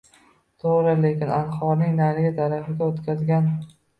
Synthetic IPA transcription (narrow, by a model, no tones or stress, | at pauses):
t̪ʰoʁɾɪlekʲɪnanχɒɾnɪŋnalɪɡʲat̪ʰaɾafɪɡʲaot̪kʲazɡʲan